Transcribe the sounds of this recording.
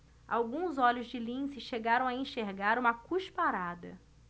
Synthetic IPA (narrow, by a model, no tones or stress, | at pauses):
a̰wɡũzɔlʊzd͡ʒɪlĩsɪʃeɡaɾɐ̃w̃aẽʃeɾɡaɾũmɐkuʃpaɾad̪ɐ̰